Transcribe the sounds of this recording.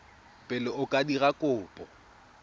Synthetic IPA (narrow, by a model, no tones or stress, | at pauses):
pʼɪlɪʊkʼadiɣakʼʊːpʼɔ